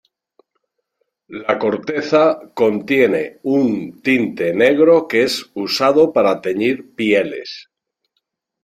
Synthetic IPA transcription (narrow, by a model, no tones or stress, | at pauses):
lako̞ɾt̪e̞θako̞nt̪je̞ne̞unt̪int̪e̞ne̞ɣɾo̞keesusað̞o̞paɾat̪e̞ɲiɾpje̞le̞̰s